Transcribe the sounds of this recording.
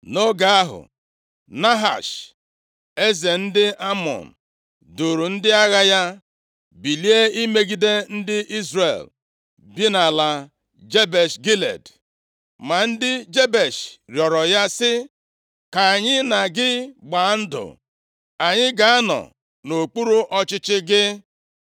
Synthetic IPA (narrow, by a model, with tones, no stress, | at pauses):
no˦ɡa˨a˦ɦʊ̰˨ | na˦ɦa̰˨ʃ | e˦ze˨n̩˦dɪ˦ʔa˦mɔ̰˨n̩˨ | du˨ɾu˨n̩˦dɪ˦a˦ɣa˦ja˦ | bi˨li˦e˦i˦me˦ɡi˦de˦n̩˦dɪ˦ʔi˦zrḛ˨l | bi˦na˨la˨ | d͡ʒe˦be˨ʃɡi˦lḛ˨d | ma˨n̩˦dɪ˦d͡ʒe˦be˨ʃɾjɔ˨ɾɔ˨ja˦sɪ˦ | ka˨ɲɪ˦na˨ɡɪ˦ɡ͡ba˨˦n̩˦dʊ̰˨ | a˨ɲɪ˦ɡa˨a˦nɔ̰˨ | no˨k͡pu˦ɾu˦ʔɔ˦t͡ʃɪ˦t͡ʃɪ˦ɡɪ˦